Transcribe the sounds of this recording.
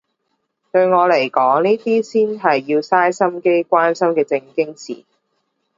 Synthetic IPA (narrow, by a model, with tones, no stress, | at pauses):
t̪ɵ˧ɥŋɔː˨˧le˨˩jkɔː˨˥ŋniː˥t̪iː˥siː˥nɦɐ˨jːiː˧wsaː˥jsɐ˥mke˥jkʷwaː˥nsɐ˥mkɛː˧t͡sɪ˧ŋkɪ˥ŋsḭː˨˩